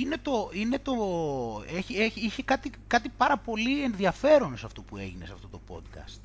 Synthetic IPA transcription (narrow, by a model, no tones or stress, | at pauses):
ine̞t̪o̞ine̞t̪o̞ | eçieçiçekɐt̪ikɐt̪ipɐɾɐpo̞lie̞nðiɐfe̞ɾonosɐft̪o̞pue̞̰ʝine̞sɐft̪o̞t̪o̞po̞̰d̪kɐ̰st̪